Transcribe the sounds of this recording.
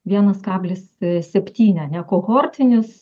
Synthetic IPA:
ʋʲiɛnɐskɑːbʲlʲɪssʲɛpʲt̪ʲiːnʲɛnʲɛkoːɣoːrʲt̪ʲɪnʲʊs

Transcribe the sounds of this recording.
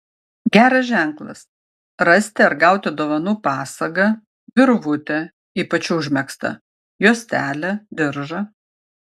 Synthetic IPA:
ɡʲæːɾɐsʒʲæˑŋklˠɐ̰s | ɾɐsʲt̪ʲɪɐɾɡɐˑʊt̪ʲɪd̪oːʋɐnuːpɑːsɐɡɐ | ʋʲɪɾʋʊt̪ʲɛ | iːpɐt͡ʃʲʊʒʲmʲɛkst̪ɐ̰ | juɔsʲt̪ʲæːlʲɛd̪ʲɪɾʒɐ

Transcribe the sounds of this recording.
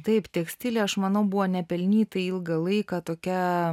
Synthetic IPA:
t̪ɐɪpt̪ʲɛksʲt̪ʲɪlʲeːɐʃmɐnɐʊbʊʋoːnʲɛpʲɛlʲnʲiːt̪ɐɪɪlˠɡɐlˠɐɪkɑːt̪oːkʲɛ

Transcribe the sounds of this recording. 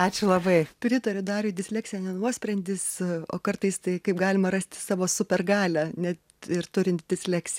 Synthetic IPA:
ɑːt͡ʃʲʊlˠɐbɐɪpʲɾʲɪt̪ɐɾʲʊd̪ɑːɾʊdʲɪsʲlʲɛːksʲɪjɛnʲɛnuɔsʲpʲɾʲɛnʲd̪ʲɪso̰ːkɐrt̪ɐɪst̪ɐɪkɐɪp̚ɡɑːlʲɪmɐɾɐsʲt̪ʲɪ̥sɑːʋoːsʊpʲɛrɡɑːlʲænʲɛt̪ | ɪrt̪ʊɾʲɪnt̪̚d̪ʲɪsʲlʲæksʲɪ

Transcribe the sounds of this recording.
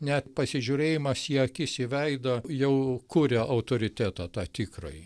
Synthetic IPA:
nʲɛt̪pɐsʲɪʒʲuɾʲeːjɪmɐsjiɛɐkʲɪsʲɪʋʲɛɪd̪ɐjɛʊkuɾʲɛʔɐʊt̪oːɾʲɪt̪ʲæːt̪ɑːt̪ɑːt̪ʲikɾoɪ

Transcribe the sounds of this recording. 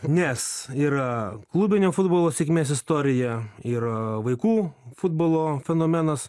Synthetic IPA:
nʲɛsiːɾɐklˠʊbʲɪnʲoːfʊd̪boːlˠoːsʲeɛkʲmʲeːsɪst̪oːɾʲɪjɛɪɾʋɐɪkuːfʊd̪boːlˠoːfʲɛnoːmʲɛnɐs

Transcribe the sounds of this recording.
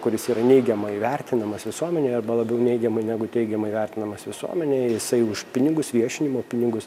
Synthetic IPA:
kʊɾʲɪsiːɾɐnʲɛɪɡʲɛmɐɪʋʲɛrʲt̪ʲɪnɐmɐsʋʲɪsuɔmʲɛnʲeːɐrbɐlˠɐbʲɛʊnʲɛɪɡʲɛmɐɪnʲæɡʊtʲɛɪɡʲɛmɐɪʋʲɛrʲt̪ʲɪnɐmɐsʋʲɪsṵɔmʲɛnʲeːjɪsɐɪʊʃpʲɪnʲɪɡʊsʋʲiɛʃʲɪnʲɪmoːpʲɪnʲɪɡʊs

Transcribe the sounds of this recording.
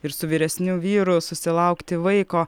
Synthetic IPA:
ɪɾsʊʋʲiːɾʲɛsʲnʲuːʋʲiːɾʊsʊsʲɪlˠɐʊkt̪ʲɪʋɐɪkoː

